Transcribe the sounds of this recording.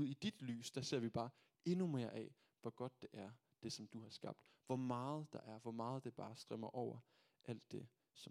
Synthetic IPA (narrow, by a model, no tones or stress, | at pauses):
uð̰ˠid̥id̥ly̰ːsd̥æse̝ɐ̰ʋib̥ɑ̈ː | e̝nume̝ɐʔɛ̰ | ʋɒɡ̥ɒ̽d̥̚ːe̝ʔæɐ | d̥e̝sɒ̽md̥uhɑ̈sɡ̥ɑ̈b̥̚d̥ | ʋɒmɑ̈ːð̩ˠd̥ɑ̈ʔæɐʋɒmɑ̈ːð̞̩ˠd̥e̝b̥ɑ̈ːsd̥ʁɛmɐʔɒʊ̰ɐ | ʔæl̰d̥ːe̝ | sɒ̽